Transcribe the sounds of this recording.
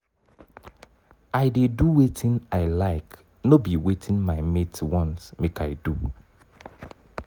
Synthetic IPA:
aɪdeduwetʰɪ̃naɪlaɪk | nobiwetʰɪ̃nmaɪmetwɔ̃nsmekaɪdu

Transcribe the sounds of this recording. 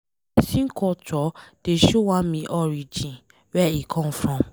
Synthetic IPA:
sĩŋkʰɔtɔd̥eʃowãmĩʔɔɹid͡ʒĩn | wɛikʰɔ̃mfɹɔ̃m

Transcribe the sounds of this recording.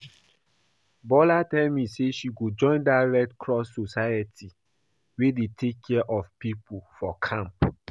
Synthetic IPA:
bɔlatɛlmiseʃiɡod͡ʒɔ̃ɪ̃ndaɹɛktkʰɹɔsːosajatʰi | wedetʰekʰːɛʔɔfpipufɔkʰãmp

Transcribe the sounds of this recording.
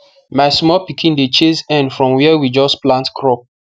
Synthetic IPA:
maɪsmɔlpikʰĩndet͡ʃezɛ̃ndfɹɔ̃mwiɛɛwid͡ʒɔsplãntkʰɹɔp̚

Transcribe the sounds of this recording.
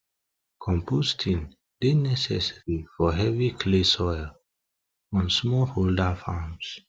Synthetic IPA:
kʰɔ̃mpostʰĩn | d̥enɛsɛ̰saɹifɔɦɛvikʰlesɔjl | ɔ̃nsmɔholdafams

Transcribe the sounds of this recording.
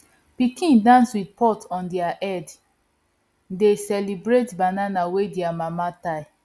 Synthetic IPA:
pikĩndãnswidpɔtʰɔ̃ndiaʔɛd | desɛlibɹetbananawediamamataj

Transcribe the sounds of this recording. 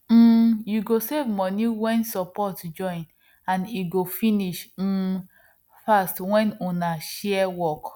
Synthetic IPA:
m̩juɡosevmɔniwɛ̃nsɔpɔtd͡ʒɔ̃ɪ̃n | ãniɡofiniʃm̩ː | fastwɛ̃nunaʃɛɛwɔk

